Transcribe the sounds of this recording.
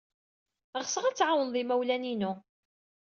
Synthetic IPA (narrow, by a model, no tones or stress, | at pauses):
ʁsəʁæt͡sːʕawənðˤimæwlæninʊ